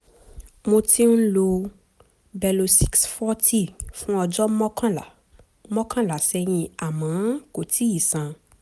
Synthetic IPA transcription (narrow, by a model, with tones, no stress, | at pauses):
mo˧ti˦n̩˦lo˧ | bɛ˧lo˧si˦ksfɔ˦ti˦˨fũ˦ɔ˧d͡ʒɔ˦mɔ̃˦kã˦la˨ | mɔ̃˦kã˦la˨sɛ˦j̃ĩ˧a˨mãː˨˦ko˨ti˨˦i˨sã˧